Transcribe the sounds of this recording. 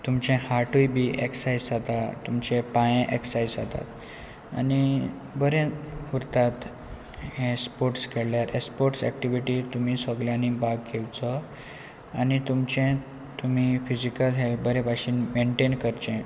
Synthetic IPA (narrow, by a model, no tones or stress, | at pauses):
t̪umt͡ɕɛ̃haʈʰujbiːʔeksajd͡zd͡zat̪at̪umt͡ɕɛ̃pãjẽʔeksajd͡za̰t̪a̰t̪ | a̰ni | bəɾẽuɾt̪at̪ | hẽspoɾʈskeɭljaɾespoɾʈsɛ̰kʈiʋiʈit̪um̤iːsəɡljãnibaɡkewt͡sə | anit̪umt͡ɕɛ̃ | t̪um̤ifid͡ʑikəlɦebəɾɛ̃baɕiːnmeɳʈenkəɾt͡ɕɛ̃